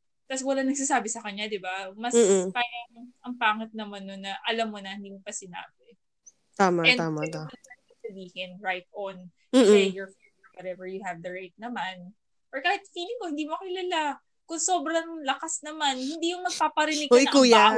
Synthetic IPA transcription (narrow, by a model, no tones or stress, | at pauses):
t̪aswɐlaŋnɐɡ̥̚s̬aːsaːbɪsɐkɐɲad̪ɪbamɐskaːjɐŋʔɐŋpaːŋɐt̪̚nɐmanːonːɐʔɐlamːonɐhɪnd̪iːmopɐsɪna̰ːbɪ | t̪aːmaɛ̃naːmaaɐɐɐsɐbiːhɪnɹajt̪̚ʔɔn | ɛjɔɹfilwɔɾɛvɛɹjʊhɛvd̪ɐɹejt̪̚nɐman | ʔoɹkaːhɪt̪̚fiːlɪŋkohɪnd̪iːmokɪlala | kʊŋso̞ːbɾɐŋlɐkasnɐmanhɪnd̪iːjʊŋmɐɡ̚paːpɐɾɪnɪɡ̚kɐɐkuːja